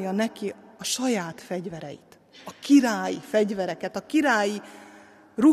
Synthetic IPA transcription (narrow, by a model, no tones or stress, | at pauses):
jɒnɛkiɒʃɒjaːt̪fɛɟvɛɾɛ̰jḭt̪ | ɒkiɾaːjifɛɟvɛɾɛkɛt̪ɒkiɾaːji | ru